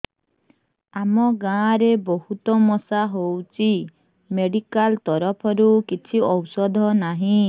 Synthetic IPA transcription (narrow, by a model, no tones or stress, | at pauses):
amɔɡãɾebɔɦut̪ɔmɔsaɦowt͡ʃʰi | meɽikalt̪ɔɾɔpʰɔɾukit͡ʃʰiɔwsɔd̪ʱɔnaɦĩ